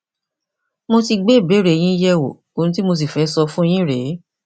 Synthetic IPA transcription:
mo˧ti˧ɡ͡be˦˨be˨˦ɾe˨˦˨j̃ĩ˦jɛ˧wo̰˨ | o˧ɾ̃ĩ˧t̬i˦mo˧s̬i˨fɛ˨˦sɔ˧fũ˦˧j̃ĩ˦ɾe˨˦

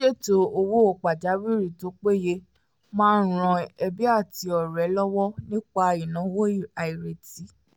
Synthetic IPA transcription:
ʃe˦˨to˨o˧wo˦o˦˨k͡pa˨d͡ʒa˨˦wi˦ɾi˦˨to˨˦k͡pe˦˨je˦ | mãː˦˧n̩˦ɾ̃ã˧ɛ˧bi˦a˦˨ti˧˦ɔ˨ɾɛ˨˦lɔ˦wɔ˦nĩ˦k͡pa˧i˨nã˨˦wo˦i˨a˨i˨ɾe˨ti˨˦

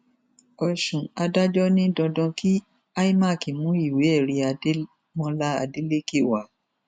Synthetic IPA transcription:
ɔ˨ʃũ˨a˧da˦d͡ʒɔ˦nĩ˦dɔ̃˧dɔ̃˧ki˦ | a˦i˦ma˦˨ki˨mũ˨˦i˦˨we˨˦ɛ˦˨ɾi˧a˧˦ | mɔ̃˧la˦a̰˧de˦le˦ke˦˨wa˨˦

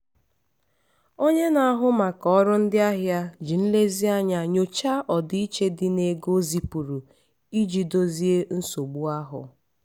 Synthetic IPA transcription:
o˦ɲe˦na˨a˦ɦʊ˦ma˨kɔ˦ɔ˦ɾʊ˦n̩˦dɪ˦a˦ɦja˦d͡ʒi˨n̩˦le˦zi˦a˦ɲa˨ɲo˨t͡ʃa˦ʔɔ˨di˦i˦t͡ʃe˦dɪ˦ne˨ɡo˦zi˨pu˨ɾu˨ | i˦d͡ʒi˨do˦zi˦e˦n̩˦so˨ɡ͡bu˦a˦ɦʊ̰˨

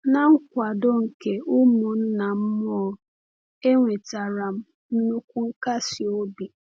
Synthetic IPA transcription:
na˨ŋ̩˦kʷa˨do˦ŋ̩˨ke˨ʊ˦mʊ˨n̩˦na˨m̩˦mɔ˦˨ | e˦ŋʷe˨ta˨ɾa˨m̩˦ | n̩˦nu˦kʷu˦ŋ̩˦ka˦si˨o˦bi˨

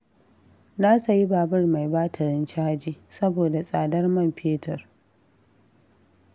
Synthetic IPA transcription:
naː˦sa˨ji˦baː˨bɐ˦rma˨jbaː˦tʰɐ˨ɽɪ˦nt͡ʃaː˦d͡ʒiː˦sɐ˦boː˨da˨sʼaː˨dɐ˦rmɐ˦˨mɸeː˦tʰɐ˨r

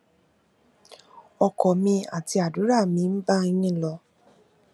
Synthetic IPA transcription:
ɔ˧kɔ˨mĩ˧a̰˨ti˧˦a˨du˨˦ɾa˦˨mĩ˧n̩˦ba˦i˧nĩ˦˨lɔ˧

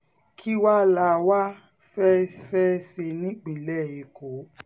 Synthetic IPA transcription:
kʰi˦wa˦la˧˨˧wa˦ | fɛ˦fɛ˦se˧nĩ˦ɡ͡bĩ˨lɛ˦˨i˨ko˨˦

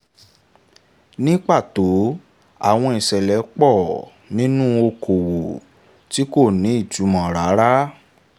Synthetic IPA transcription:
nĩ˦k͡pa˦˨to˨˦ | a˦˨w̃ɔ̃˧i˨sɛ˨lɛ˨˦k͡pɔ˦˨ | nĩ˦nũ˦o˧kʰo˨wo˨ | ti˨˦ko˦˨nĩ˨˦i˦˨tu˨˦mɔ̃˨ɾa˨˦ɾa˦

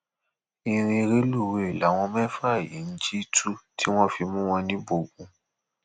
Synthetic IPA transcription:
i˧ɾ̃ĩ˧ɾe˦lu˦˨we˨i˨la˨˦w̃ɔ̃˧mɛ̃˦fa˦˨je˨˦n̩˦d͡ʒi˦tʰu˦tʰi˦w̃ɔ̃˦fi˧mũ˦w̃ɔ̃˧nĩ˦bo˧ɡũ˧˦

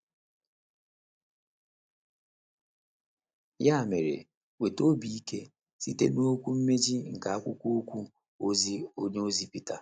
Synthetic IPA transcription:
ja˦˨me˨ɾḛ˨ | we˨to˦bi˨i˦ke˦ | si˦tḛ˦no˦kʷu˦m̩˦me˦d͡ʒi˦ŋ̩˨ka˨a˦kʷʊ˦kʷu˦o˦kʷu˦ | o˦zi˦o˦ɲe˦o˦zi˦pi˦ta˨

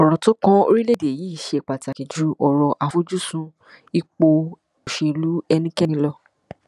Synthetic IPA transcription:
ɔ˨ɾɔ̃˨to˨˦kã˦o̰˧ɾi˦le˦˨de˨jiː˨˦i˦˨ʃe˧˦˨k͡pa˨ta˨ki˨d͡ʒu˨˦ɔ˨ɾɔ˧ʔa˧fu˦d͡ʒu˦sũ˧ | i˧k͡po˧ | o˨ʃe˨˧lu˨˦ɛ˧nĩ˦kɛ˦nĩ˧lɔ˦˧

